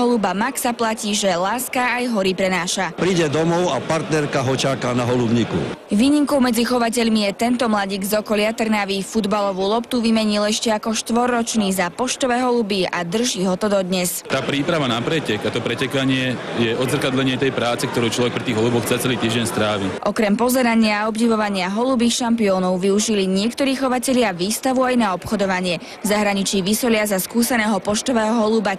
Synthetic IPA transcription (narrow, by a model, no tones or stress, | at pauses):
ɦɔlubamaksaplaciːʒɛlaːskaːjɦɔɾipɾɛnaːʃapɾiɟɛd̪ɔmɔʊapaɾt̪nɛɾkaɦɔt͡ʃakanaɦɔlubɲikṵʋiːɲiŋkɔʊmɛd͡zixɔʋac̬ɛʎmijɛt̪ɛnt̪ɔmlaɟiːɡzɔkɔlɪat̪r̩naʋifud̪balɔʋulɔpt̪uʋimɛɲilɛʃcɛakɔʃt̪ʋɔɾːɔt͡ʃniːzapɔʃt̪ɔʋɛːɦɔlubiad̪r̩ʒiːɦɔt̪ɔd̪ɔd̪ɲɛst̪aːpɾiːpɾaʋanapɾɛcɛkat̪ɔpɾɛcɛkaɲɪɛ | jɛʔɔd̪zrkad̪lɛɲɪɛt̪ɛjpɾaːt͡sɛkt̪ɔɾuːt͡ʃlɔʋɛk̚pɾit̪iːɣɦɔlubɔxt͡sat͡sɛliːt̪iːʒɟɛɲst̪ɾaːʋiʔɔkɾɛmpɔzɛɾaɲɪaɔbɟiʋɔʋaɲɪaɦɔlubiːxʃampiɔːnɔʊʋiuʒiliɲɪɛkt̪ɔɾiːxɔʋacɛʎɪaʋiːst̪aʋuajnaɔpxɔd̪ɔʋaɲɪɛ | vzaɦɾaɲit͡ʃiːʋisɔʎɪazaskuːsɛnɛːɦɔpɔʃt̪ɔʋɛːɦɔɦɔluba